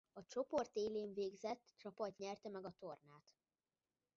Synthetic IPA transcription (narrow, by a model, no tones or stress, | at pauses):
ɒt͡ʃo̞po̞rt̪eːleːɱveːɡzɛt̪ːt͡ʃɒpɒt̪ɲɛrt̪ɛmɛɡɒt̪o̞rnaːt̪